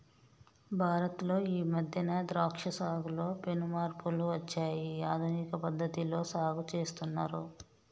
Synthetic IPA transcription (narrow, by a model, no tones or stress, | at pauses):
bʱaːɾɐt̪lo̞ːiːmɐd̪ʱjɐnɐːd̪ɾaːkʂɐsaːɡulo̞ːpenumaːɾpuluʋɐt͡ʃːaːjiaːd̪ʱunikɐpɐd̪ʱːɐt̪ilo̞ːsaːɡut͡ʃe̞ːst̪unːaːɾu